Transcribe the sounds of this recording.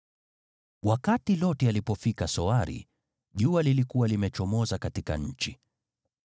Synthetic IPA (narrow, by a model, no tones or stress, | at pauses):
wakatilɔtɛalipɔfikasɔaɾḭ | ʄualilikuwalimɛt͡ʃɔmɔzakatika̰ɲ̩t͡ʃi